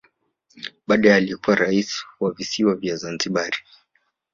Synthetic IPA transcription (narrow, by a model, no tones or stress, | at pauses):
ɓaɗajaːliɛkuwaɾaiswavisiwavjazanziɓaɾi